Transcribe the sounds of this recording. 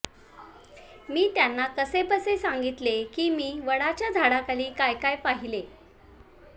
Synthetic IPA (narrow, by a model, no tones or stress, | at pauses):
miːt̪janːakəsepəsesaŋɡit̪lekiːmiːʋəɽat͡ɕjad͡zʱaɽakaliːkajkajpaɦile